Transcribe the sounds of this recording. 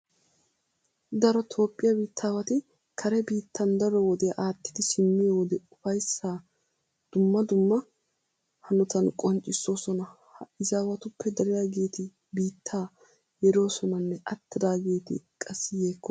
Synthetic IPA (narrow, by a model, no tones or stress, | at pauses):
d̪ɐɾɔt̪ʰo̞ːpʼːɪjɐbiːt̪ʰːaːwɐt̪ɪ | kʰɐɾɛbiːt̪ʰːɐnd̪ɐɾɔwɔd̪ɛjɐʔaːt̪ːɪ̥d̪ɪsɪmːɪjowɔd̪ɛʊfɐjsːaː | d̪̥ʊmːɐd̪ʊmːɐ | hɐnɔt̪ɐnkʼɔnt͡ʃʼːɪsːo̞ːsɔnɐ | hɐɪzaːwɐt̪ʊpːɛd̪ɐɾɪjaːɡe̞ːt̪ɪ | biːt̪ʰːaː | jɛɾo̞ːsɔnɐnːɛʔɐt̪ːɪd̪aːɡe̞ːt̪ɪ̰kʼɐsːɪjeːkːɔ